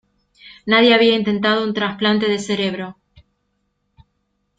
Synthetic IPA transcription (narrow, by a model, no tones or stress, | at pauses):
naðje̞aβ̞iaint̪e̞nt̪að̞ount̪ɾasplant̪e̞ðese̞ɾe̞βɾo